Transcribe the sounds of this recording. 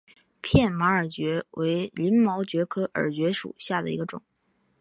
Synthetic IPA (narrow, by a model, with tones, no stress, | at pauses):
pʰjɛ˥˩nma˧˥ə˞˨˩t͡ɕɥɛ˧˥wʔe˧˥ɪli˧˥nmɑ˧˥ʊt͡ɕɥɛ˧˥kʰɤ˥ʔə̰˞˨˩t͡ɕɥɛ˧˥ʂṵ˨˩ɕja˥˩d̪ə̰˩ḭ˧˥ɡə˧ʈ͡ʂʊ̰˨˩˦ŋ